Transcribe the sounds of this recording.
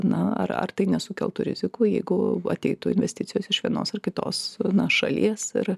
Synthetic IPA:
nɐɐ̰rɐ̰rt̪ɐɪnʲɛsʊkʲɛlˠt̪ʊɾʲɪ̰zʲɪkuːjɛɪɡʊɐ̰t̪ʲɛɪt̪ʊɪnʲʋʲɛsʲtʲɪtt͡sʲɪjoːsɪʃʋʲiɛno̰ːsɐrkʲɪt̪o̰ːsnɐʃɐ̰lʲiɛsɪ̰r

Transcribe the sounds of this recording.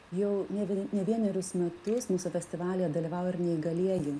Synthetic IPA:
jɛʊnʲɛʋʲnʲɛʋʲiɛnʲɛɾʲʊsmʲɛt̪ʊsmuːsʊfʲɛsʲt̪ʲɪʋɑːlʲijɛd̪ɐlʲiʋɐʋwɪɾnʲɛiɡɐlʲiɛjɪ

